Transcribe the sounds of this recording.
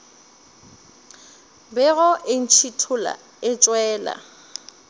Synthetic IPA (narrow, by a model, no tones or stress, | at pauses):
bɛɣʊʔɪn̩t͡ʃʰitʰʊla̰ | ɪt͡ʃʼwɛːla̰